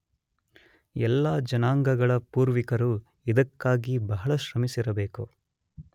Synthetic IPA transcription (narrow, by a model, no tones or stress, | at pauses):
ɛlːaːd͡ʒɐnaːŋɡɐɡɐɭɐpuːɾʋikɐɾu | id̪ɐkːaːɡibɐɦɐɭɐʃɾɐmisiɾɐbe̞ːku